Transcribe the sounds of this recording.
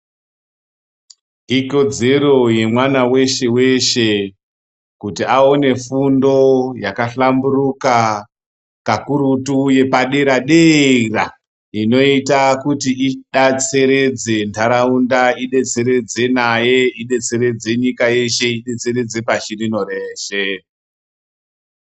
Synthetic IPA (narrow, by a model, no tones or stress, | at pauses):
iko̞d͡ze̞ro̞je̞mwanawe̞ʃewe̞ʃe̞ | kutiaone̞fundo̞jakaɬamburuka | kakuɾutuje̞paɗeɾaɗera | ino̞itakutiiɗat͡se̞ɾe̞d͡ze̞ntʰaɾaundaiɗe̞t͡se̞ɾe̞d͡ze̞naje̞iɗe̞t͡se̞ɾe̞d͡ze̞ɲikaje̞ʃe̞iɗe̞t͡se̞ɾe̞d͡ze̞paʃirino̞re̞ːʃe